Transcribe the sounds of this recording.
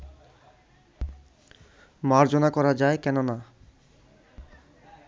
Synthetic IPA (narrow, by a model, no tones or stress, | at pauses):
maɾd͡ʑonakɔɾad͡ʑaekɛnona